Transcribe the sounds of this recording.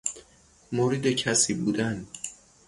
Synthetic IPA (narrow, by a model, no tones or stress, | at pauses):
moɾiːd̪ecʰæsiːbuːd̪ænd̪